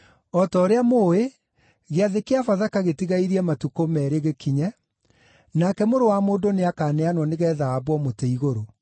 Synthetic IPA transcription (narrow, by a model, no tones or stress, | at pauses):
ɔtɔːɾeamoːe | ɣeaðekeafaðakaɣetiɣaiɾiɛmatukomɛɾeɣekiɲɛ | nakɛmoɾowamoːndoneakaːneanwɔneɣɛːðaːbwɔmotɛiɣoɾo